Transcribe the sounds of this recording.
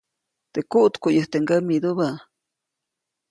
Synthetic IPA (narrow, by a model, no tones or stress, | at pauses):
t̪ekuʔt̪kuʔjəht̪eŋɡamid̪uba